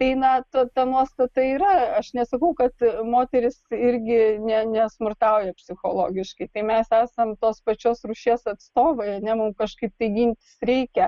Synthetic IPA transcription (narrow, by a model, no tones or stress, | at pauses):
t̪ɐɪnɐt̪ot̪ɐnuɔst̪ɐt̪ɐiːɾɐɐʃnʲɛsɐkɐʊkɐt̪moːt̪ʲɛɾʲɪsɪɾʲɡʲɪnʲɛnʲɛsmʊrt̪ɑʊjɛpʲsʲɪxoːlˠo̰ːɡʲɪʃkɐɪt̪ɐɪmʲɛsæːsɐmt̪oːspɐt͡ʃʲoːsruʃʲeːsɐt̪st̪oːʋɐɪɐnʲɛmʊmkɐʃkɐɪp̚t̪ɐɪɡʲinʲt̪ʲɪ̥sɾʲɛɪkʲɛ